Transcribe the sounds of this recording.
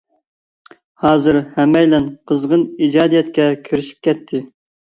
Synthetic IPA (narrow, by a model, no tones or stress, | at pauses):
hɑːzɨɾhɛmɛjlɛnqʰəzʁənid͡ʒɑːd̪ijɛt̪̚kʲɛkʲʰiɾɪʃi̥p̚kʲʰɛt̪ʰːɪ